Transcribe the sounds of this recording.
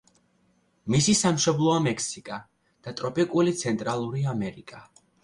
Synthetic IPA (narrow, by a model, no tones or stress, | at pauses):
misisamʃɔblˠɔamɛkʰsikʼa | d̪̥at̪ʼɾɔpʼikʼulit̪sʰɛnt̪ʼɾalˠuɾiamɛɾikʼa